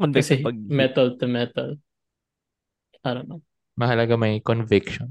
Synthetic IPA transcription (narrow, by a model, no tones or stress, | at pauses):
ɐnɐsɛɐɡ̚mɛt̪ɐlt̪ɛmɛt̪ɐl | ʔanɐmɐ | mɐɦɐlɐɡamɐjkɔnvɪkʃɔn